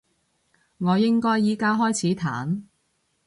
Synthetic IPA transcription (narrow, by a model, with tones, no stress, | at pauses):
ŋɔː˨˧jɪ˥ŋkɔː˥jːiː˥kaː˥ɦɔː˥jt͡sʰiː˨˥t̪ʰa̰ː˨˥n